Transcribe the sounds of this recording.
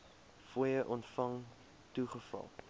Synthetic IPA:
fujəʔɔntfɐŋ | tuχəfɐ̰lˠ

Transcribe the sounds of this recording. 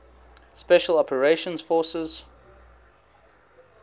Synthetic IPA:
spɛʃəlɔpʰəɹeʃə̃nz̥fɔːˑsɪz̥

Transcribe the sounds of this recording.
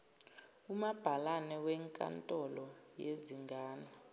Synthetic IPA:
umab̥ʱalanɛwɛŋkʼa̰ntʼɔlɔ | jeziŋɡʱaːnɔ

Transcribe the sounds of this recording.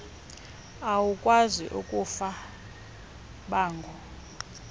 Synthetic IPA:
awukʼwaziʔukʼufa | ɓaːŋɡʱɔ

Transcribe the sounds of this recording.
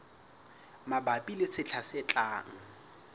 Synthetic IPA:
mabapʼilɪsʰɪt͡ɬʰasɪt͡ɬʼaːŋ̩

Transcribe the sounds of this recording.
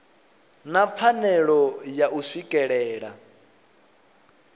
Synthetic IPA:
nap̪fʰanɛɺɔjaʔuswikʼɛɺɛːɺa

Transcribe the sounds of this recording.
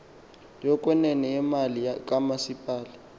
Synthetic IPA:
jɔkʼwɛnɛnɛɛmaliak̬ʼamasipʼaːlɛ

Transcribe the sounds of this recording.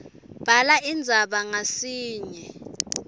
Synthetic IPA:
b̥ʱalaind͡zʱaɓaŋasiːɲɛ

